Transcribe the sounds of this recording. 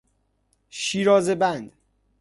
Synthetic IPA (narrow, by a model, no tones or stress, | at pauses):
ʃiːɾɒːzebænd̪